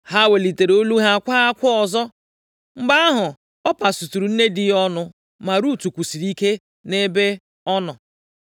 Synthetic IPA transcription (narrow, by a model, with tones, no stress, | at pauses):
ha˦we˨li˨te˨ɾo˦lu˦ɦa˦a˨kʷa˦a˦kʷʊ˦ɔ˨zɔ˦ | ŋ͡m̩˨ɡ͡ba˦a˦ɦʊ˨ | ɔ˦pa˨su˨tu˨ɾu˨n̩˦ne˦dɪ˦ɔ˦nʊ˦ | ma˨ɾu˦tu˨kʷu˨si˨ɾi˦ke˦ | ne˦be˦ | ɔ˦nɔ˨